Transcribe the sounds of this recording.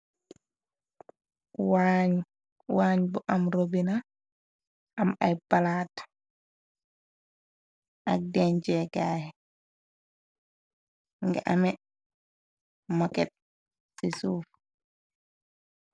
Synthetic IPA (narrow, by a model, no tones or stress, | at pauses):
waɲ | waːɲbɔʔamɾobina | ʔamajbalaːtḁ | ʔadɛɲd͡ʒɛɡaːhɛ | ŋɡɛ̰ʔamɛ | mɔkɛt̚ | sisuːf